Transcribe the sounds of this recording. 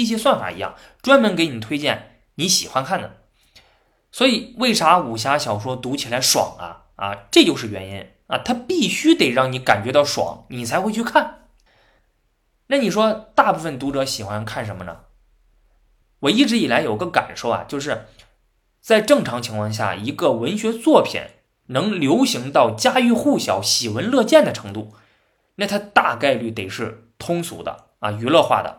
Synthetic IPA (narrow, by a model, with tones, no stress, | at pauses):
i˥˩ɕjɛ˥swa˥˩nfa̰˨˩ḭ˧˥jɑ̰˥˩ŋ | ʈ͡ʂwa˥nmə˧˥nke˧˥ɪni˨˩t̪ʰwe˥ɪt͡ɕjɛ˥˩n | ni˧˥ɕḭ˨˩xwa˥nkʰa˥˩nd̪ə˩ | swɔ˧˥i˨˧˩we˥˩ɪʂa˧˥u˨˩ɕ̬ja˧˥ɕjɑ˨˩ʊʂwɔ˥t̪u˧˥t͡ɕʰi˨˩la˧˥ɪʂwɑ̰˨˩˦ŋɐ̰˦ | ɐ̰˧ʈ͡ʂɤ˥˧t͡ɕjo˥˧ʊʂ̬ɻ̩˥˩ɥɛ˧˥nḭ˥n | ɐ̰˧˩t̪ʰa˥pi˥˩ɕy˥t̪e˨˩ɪɻɑ˥˩ŋni˧˥ka˨˩nt͡ɕɥɛ˧˥t̪ɑ˥˩ʊʂwɑ̰˨˩˦ŋni˨˩t͡sʰɪxwe˥˧ɪt͡ɕʰy˥˧kʰa˥˩n | na˥˩ni˨˩ʂwɔ˥t̪a˥˧pu˥˩fə˨˩nt̪u˧˥ʈ͡ʂɤ˧˥ɕi˨˩xwa˥nkʰa˥˩nʂə˧˥nmə˧nə̰˩ | wɔ˨˩i˥˩ʈ͡ʂɻ̩˧˥i˨˩la˧˥ɪjo˨˩ʊi˧˥ɡə˧ka̰˨˩nʂo˥˩ʊa̰˨˩t͡ɕjo˥˧ʊʂ̬ɻ̩˥˩ | t͡sa˥˧ɪʈ͡ʂɤ˥˩ŋʈ͡ʂʰɑ˧˥ŋt͡ɕʰi˧˥ŋkʰwɑ˥˧ŋɕ̬ja̰˥˩i˧˥ɡə˧wə˧˥nɕɥɛ˧˥t͡swɔ˥˩pʰjɛ̰˨˩˦n | nɤ˧˥ŋljo˧˥ʊɕi˧˥ŋt̪ɑ˥˩ʊt͡ɕja˥y˥˧xu˥˩ɕjɑ˧˩˥ʊɕi˨˩wə˧˥nlɤ˥˧t͡ɕjɛ˥˩nd̪ə˩ʈ͡ʂʰɤ˧˥ŋt̪u˥˩ | na˥˩t̪ʰa˥t̪a˥˧ka˥˧ɪly˥˩t̪e˨˩ɪʂɻ̩˥˩ | t̪ʰʊ˥ŋsṵ˧˥d̪ə̰˧ | ɐ̰˧˩y˧˥lɤ˥˧xwa̰˥˩d̪ə̰˩